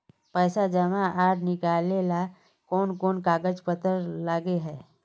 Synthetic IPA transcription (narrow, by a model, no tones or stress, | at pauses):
pɛːsad͡ʒəmaʔaːɽnɪkaːlela | koːnkoːnkaːɡəd͡ʒpət̪əɾlaːɡeɦɛː